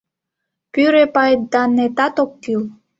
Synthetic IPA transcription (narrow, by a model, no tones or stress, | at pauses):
pyɾepɑjt̪̚d̪ɑnet̪ɑt̪okːyl